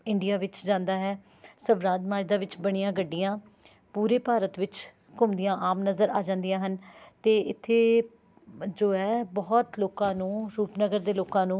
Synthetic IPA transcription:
ɪɳɖɪjaːʋɪt͡ʃd͡ʒãːnd̪aːɦɛː | səʋɾaːd̪maːɾd̪aːʋɪt͡ʃbəɽ̃ijãːɡəɖːijãː | puːɾeːpaːɾət̪ʋɪt͡ʃ | kʊmd̪ɪjãːʔaːmnəzəɾaːd͡ʒãːnd̪ijãːɦənt̪eːɪt̪ʰːeː | d͡ʒoːɛːbɔːt̪loːkãːnũːɾuːpnəɡəɾd̪eːloːkãːnũː

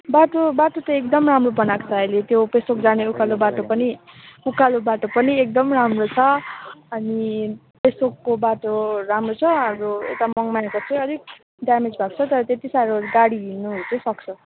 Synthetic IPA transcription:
baʈobaʈot̪ʌek̚d̪ʌmramrobʌnakt͡sʰʌʌjlet̪jopesokd͡zaneukalobaʈopʌniukalobaʈopʌniek̚d̪ʌmramrot͡sʰʌʌni | pesbokːobaʈoɾamrot͡sʰʌɦamroḛt̪amʌŋmakot͡sʰʌj̃ʌd̪ʱik̚ | ɖjamed͡zbʱakt͡sʰʌt̪ʌɾʌt̪et̪isaɾoɡaɽiɦinuɦut̪ʰʌsʌk̚t͡sʰʌ

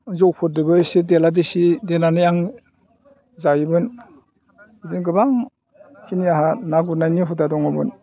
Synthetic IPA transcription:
zɔwpʰɔt̚dɯbɯjsideladisidenanɯjaŋ | zajibɯn | idinɡɯbaŋ | kʰiniaɦanaɡuɾnajniɦutadɔŋɯbɯn

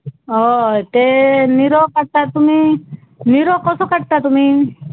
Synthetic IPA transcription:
ɔet̪eniɾɔkaʈ̚t̪at̪umi | niɾɔkɔsɔkaʈ̚t̪at̪umi

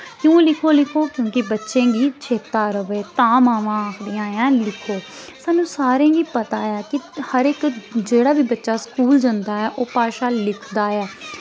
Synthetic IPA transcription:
kjũːlɪkʰoːlɪkʰoːkjõːkɪbətːʃẽːɡiːt͡ʃʰeːt̪aːɾəʋeːt̪ãːmaːʋãːaːkʰd̪ɪjãːjãːlɪkʰoː | saːnũːsaːɾãːɡiːpət̪aːɛːkɪhəɾɪkd͡ʒeːɽaːbiːbətːʃaːskuːld͡ʒənd̪aːɛːʔoːpaːʃaːlɪkʰd̪aːɛː

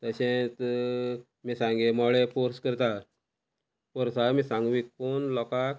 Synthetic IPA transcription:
t̪əɕẽt̪ | misãŋɡemɔɭepɔɾskəɾt̪a | pɔɾsamisãŋɡʋikːonlɔkak

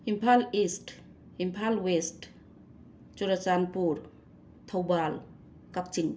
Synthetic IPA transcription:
impʰalist | impʰalwest | t͡ʃuɾat͡ʃanpuɾ | t̪ʰowbal | kak̚t͡ʃiŋ

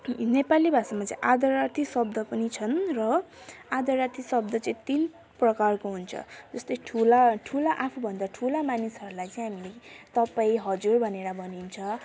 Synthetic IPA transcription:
nepalibʱasamat͡sʌ̰̃ĩʔad̪ʌrat̪ʰisʌb̚d̪ʱʌpʌnit͡sʰʌnrʌad̪ʌrat̪ʰisʌbd̪ʱʌt͡sʌĩt̪in | prʌkarkoɦunt͡sʰʌ̰d͡zʌst̪ʌjʈʰulaʈʰulaʔapʰubʱʌnd̪aʈʰulamanisʌɾulajt͡sʌĩɦamilet̪ʌpaĩɦʌd͡zurbʱʌneɽabʱʌnint͡sʰʌ

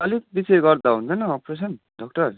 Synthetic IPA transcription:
ʌlibiseɡʌrd̪aɦunt͡sʰʌjnʌʌpɾes̬ʌn | ɖʌk̚ʈʌr

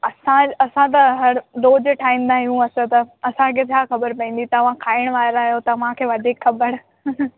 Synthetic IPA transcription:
ɐsãɐsãt̪̬ɐɦɐɾɗoːd͡ʑʈʰaːĩːn̆d̪aːɦijũɐsət̪ɐɐsãkʰeːt͡ɕʰaːxɐbəɾpɐ̃ĩːn̆d̪it̪ɐʋãkʰaːɪɽ̃ʋaːɾaːjot̪ɐʋãkʰeːʋɐd̪ʱiːkxɐbəɾ

